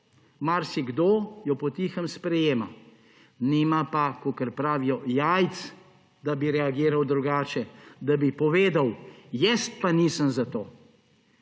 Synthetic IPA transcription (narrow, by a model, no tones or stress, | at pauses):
maɾsiɡd̪oːjɔpɔt̪iːxəmspɾɛjeːma̰ | nimapakokəɾpɾaːʋijɔjajt̪s | d̪abiɾɛaɡiːɾawd̪ɾuɡaːt͡ʃɛd̪abipɔʋeːd̪awjɛst̪̚paniːsəmzat̪oː